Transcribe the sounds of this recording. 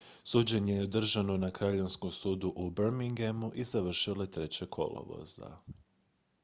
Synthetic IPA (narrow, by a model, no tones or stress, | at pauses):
suːd͡ʑe̞ɲejeod̪r̩ʒano̞nakɾaʎenskomsuːd̪uʔubɾmiŋɡemuʔizaʋr̩ʃilo̞t̪ɾe̞t͡ɕekʰo̞̰lo̰ʋo̰z̥a̰